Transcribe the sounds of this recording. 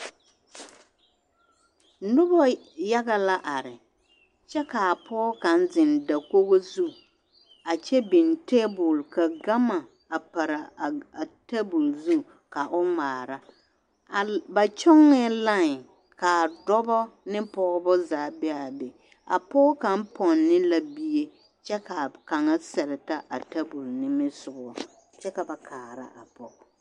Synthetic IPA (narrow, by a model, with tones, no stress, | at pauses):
nʊ˦bɔ˦ | ja˦ɣa˨la˦ʔa˨ɾɪ˨ | t͡ʃɛ˦ka˨a˨pɔː˦ka˨n˦zɪ˨nda˨ko˦ɣo˦zu˦ | a˨t͡ʃɛ˦bi˨nte˦bʊ˨lka˨ɡa˦ma˨ | a˨pa˨ɾa˨a˨te˦bʊ˨lzu˦ | ka˨ʔʊ˦maː˨ɾa˦˨ | ba˨t͡ʃɔ˦ŋːɛ˦la˦ŋ˨ | ka˨dɔ˦bɔ˦nɪ˦pɔ˦ɣɔ˦bɔ˦zaː˨˦˨bɛ˦a˨bɛ˨ | a̰˨pɔ˦ka˨m̩˦pɔ˨nːɪ˦la˦bi˦je˦ | t͡ʃɛ˦ka˨ka˨ŋa˦sɛ˨ɾɪ˨ta˦ʔa˨ta˦bu˨lnɪ˦mɪ˦sʊ˨bɔ˨ | t͡ʃɛ˦ka˨ba˨kʰaː˨ɾa̰˦ʔa̰˨pɔ˨